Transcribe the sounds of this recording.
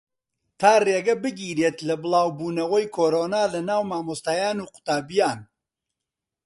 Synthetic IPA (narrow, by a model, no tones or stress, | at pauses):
t̪ʰaːreːɡɐbɨɡiːɾeːt̪lɐbɨlˠaːwbuːnɐwɐjkʰoːɾoːnaːlɐnaːwmaːmost̪aːjaːnuːqʊ̥t̪aːbijaːn